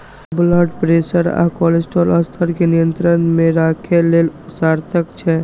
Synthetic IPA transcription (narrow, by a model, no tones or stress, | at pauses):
bləɖpɾesəɾa̰kɔlesʈoləst̪ʰəɾkenijənt̪ɾənmẽɾakʰelelʊsaɾt̪ʰəkt͡ʃʰɛ